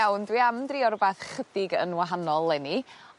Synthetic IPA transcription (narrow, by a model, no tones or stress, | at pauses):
awndwiamdriːɔɾbaθχədɪɡə̰nwaɦanɔlˠːɛni